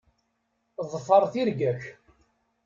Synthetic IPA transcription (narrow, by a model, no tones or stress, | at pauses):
ðˤfəɾˤθiɾɡæç